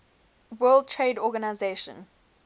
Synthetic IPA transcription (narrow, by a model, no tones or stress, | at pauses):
wɜːlˠd̚tʰɹedɔɡanaɪzeːʃə̰̃n